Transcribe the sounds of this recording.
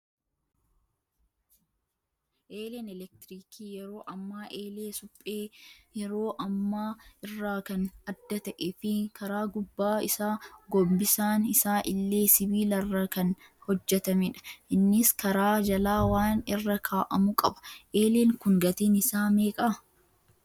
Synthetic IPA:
ʔeːlenɛlɛk̚t̪ɪɾiːkʰiːjɛɾo̞ːʔɐmːaːʔeːleːsʊpʼːeːjɛɾo̞ːʔɐmːaːɪrːaːkɐnɐd̪ːɐt̪ɐʔeːfɪkɐɾaːɡʊbːaːɪsaːɡɔbːɪsaːnɪsaːʔɪlːe̞ːsɪbiːlɐrːɐkɐn | hɔd͡ʒːɛt̪ɐmɪᶑɐ̥ʔɪnːɪskɐɾaːd͡ʒɐlaːwaːnɪrːɐkʰaːʔɐmʊkʼɐbɐ̥ʔeːleːŋkʊŋɡɐt̪iːnɪsaːme̞ːkʼɐ

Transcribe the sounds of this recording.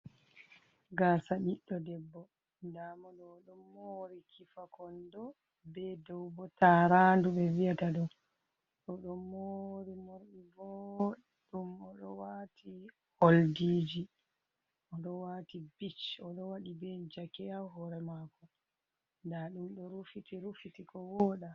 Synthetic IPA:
ɡasaɗiɗːɔdɛbːɔ | ndamɔɗɔɗɔmːoɾikʰifakɔndɔ | bɛdɔwbɔtaɾanduɓɛviataɗɔm | ɗɔɗɔmoɾimoɾɗivɔ | ɗumɔɗɔ̰watʰi | holdiːd͡ʒi | ʔɔɗɔwaːtibit͡ʃɔɗɔwaɗibɛd͡ʒakɛaɦɔɾɛmaːkɔ | ndaɗumɗɔɾufitiɾufitikɔwɔːɗa

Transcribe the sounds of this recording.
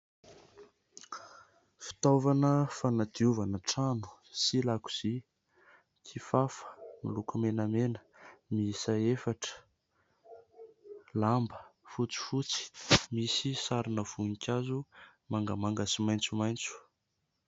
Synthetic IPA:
fi̥t̪ovanəfanad̪̥iuvanəʈ͡ʂanu̥silaku̥z̥i | kʰifafə̥milukumenamenə̥ | misaefaʈ͡ʂə̥ | lambəfut͡si̥fut͡si̥misisaɾinəv̥unikʲazumaŋɡəmaŋɡasimajnt͡sumajnt͡su̥

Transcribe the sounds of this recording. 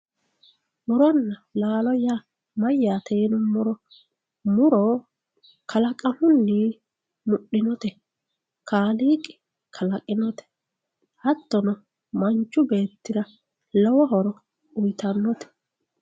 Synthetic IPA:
mʊɾɔnːɐlaːlɔja | mɐjːaːt̪eːnʊmʊɾɔ | mʊɾɔ | kʰɐlɐkʼɐhʊnːi | mʊɗːɪnɔt̪ɛ | kʰaːliːkʼɪ̥ | kʰɐlɐkʼːɪnɔt̪ɛ̥ | hɐt̪ːɔnɔ | mɐnt͡ʃːʊbe̞ːt̪ːɪɾɐ | lɔwɔɦɔɾɔ | ʊjt̪ɐnːɔt̪ɛ̥

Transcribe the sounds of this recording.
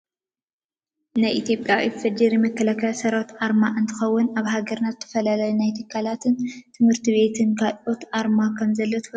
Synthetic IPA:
najʔit̪jo̞pʼjafɐd͡ʒiɾjɪmɐkːɐlakʰɐsɐɾawt̪ʔaɾmaʔɨnt̪ʰɨ̥xɐwːʊnaβɦaɡɐɾnat̪t̪ʰɐ̥fɐlalajunajt̪ʰɨkʰːalat̪ʰɨnt̪ʰɨmhɨɾt̪ʰiβe̞t̪ʰɨnkʰalʔo̞t̪ʔaɾmakʰɐmzɐlːot̪ʰɨ̥

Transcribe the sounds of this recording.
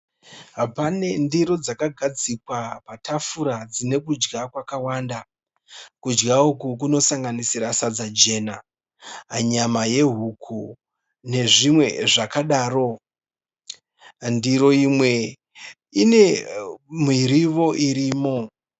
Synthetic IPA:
ɦapane̞ndiɾo̞d͡zakaɡʱad͡zikwapatʰafuɾad͡zine̞kud͡ʒɡakwakawaːnda | kud͡ʒɡaukuk̬uno̞saŋɡanisiɾasad͡zad͡ʒe̞ːna | ɲamaje̞ɦukʰu | ne̞ʐimwe̞ʐakaɗaːɾo̞ | ndiɾo̞imwe̞ | ine̞ | mwiɾiʋo̞ʔiɾiːmo̞

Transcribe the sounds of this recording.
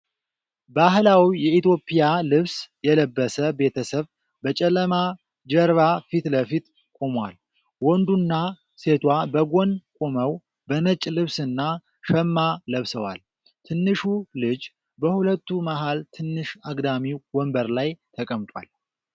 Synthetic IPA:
baɦlawijɛit̪jo̞pʼːijalɨβsjɛləbːəsəbe̞t̪ʰəsəβ | bət͡ʃʼɛləma | d͡ʒɛɾβafit̪ləfit̪ | kʷʼo̞mwal | wɔnd̪unːa | se̞t̪ʰwabəɡo̞nkʼoməw | bənət͡ʃʼlɨβsɨnːa | ʃəmːaləβsəwa̰l | t̪ʰɨnːɨʃulɨd͡ʒ | bəhulət̪ːumaɦalt̪ʰɨnːɨʃaɡd̪amiwɔmbəɾlajt̪ʰəkʼəmt̪ʼwa̰l

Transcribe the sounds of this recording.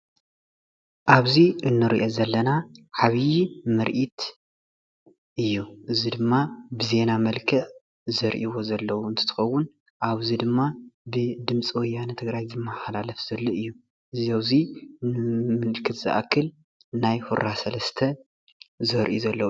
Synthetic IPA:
ʔaβziʔɨnːɨɾiʔozɐlːɐnaħaβijimɨɾʔit̪ | ʔɨjːuʔɨzid̪ɨmːabɨze̞namɐlkʰɨʕ | zɐɾʔiwo̞zɐlːɐwuɨnt̪ʰɨt̪ʰɨ̥xɐwːʊn | ʔaβzid̪ɨmːabɨd̪ɨmt͡sʼiwɔjːanɨt̪ʰɨɡɾajzɨmːaħalalɐfz̥ɐlːoʔɨjːu | ʔɨziawzi | mɨlkʰɨt̪z̥ɨ̰ʔa̰kʰːɨl | najhuɾasɐlɐst̪ʰɐ | zɐɾʔizɐlːɐw

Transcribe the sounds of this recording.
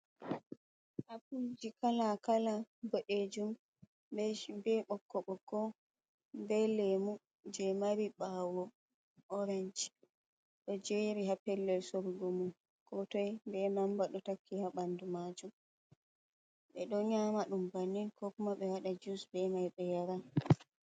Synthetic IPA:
ʔapud͡ʒikalakalaboɗed͡ʒum | bɛbɛɓɔkːɔɓɔkːɔ | bɛlemu | d͡ʒɛmaɾiɓawɔ | ʔɔɾɛɲd͡ʒ | ɗɔd͡ʒeɾiɦapɛlːɛlsoɾɡomun | kɔtɔjbɛnambaɗɔtakːihaɓandumad͡ʒum | ɓɛɗɔɲamaɗumbaninkɔkumaɓɛwaɗad͡ʒusbɛmajɓɛjaɾa

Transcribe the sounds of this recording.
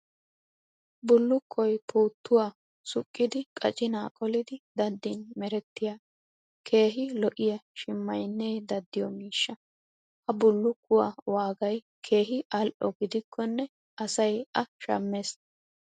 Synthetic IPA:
bʊlːʊkʰːɔjpʰuːt̪ːʊwaː | sʊkʼːɪd̪ɪkʼɐt͡ʃʼɪnaːkʼɔlɪd̪ɪd̪ɐd̪ːɪnmɛɾɛt̪ːɪjaː | kʰe̞ːɦɪlɔʔɪjɐʃɪmːɐjnːeːd̪ɐd̪ːɪjɔmiːʃːɐ | hɐbʊlːʊkːʊwa̰waːɡɐj | kʰeːɦɪʔɐlʔɔ̰ɡɪd̪ɪkʰːɔnːɛ | ʔɐsɐjɐʃɐ̰mːeːs

